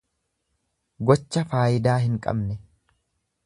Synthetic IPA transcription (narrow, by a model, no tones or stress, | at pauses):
ɡɔt͡ʃːɐfaːjɪd̪aːɦɪŋkʼɐ̰bnɛ